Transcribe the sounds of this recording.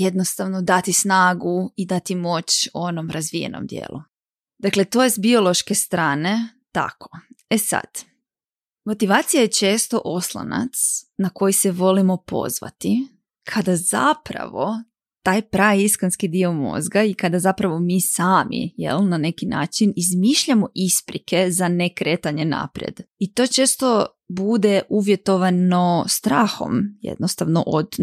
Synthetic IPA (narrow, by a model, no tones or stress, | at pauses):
jed̪nost̪aʋnod̪at̪isnaːɡuid̪at̪imo̞t͡ɕo̞nomɾʔazʋije̞̰no̰md̪jḛːlˠu | d̪akle̞t̪o̞jesbio̞lˠo̞ʃkest̪ɾaːne̞ | t̪a̰kʰo̥e̞sa̰d̪̥ | mo̞t̪iʋaːt̪sijajet͡ʃe̞ːst̪o̞ʔo̞slˠa̰na̰t̪snako̞jiseʋo̞limo̞po̰zʋa̰t̪i | kʰad̪aza̰pɾa̰ʋo | t̪aːjpɾajiskonskid̪io̞mo̰zɡaikad̪azapɾaʋo̞miːsaːmʔḭjḛlˠnane̞kina̰ːt͡ʃinizmiːʃʎamo̞ʔispɾikʰe̞zane̞kɾe̞ːt̪aɲe̞na̰pɾjḛd̪̥it̪o̞ːt͡ʃe̞ːst̪o̞ | bud̪e̞ʔuʋje̞t̪o̞ʋano̞st̪ɾaːxo̰mjḛd̪nost̪aʋno̞̰ʔod̪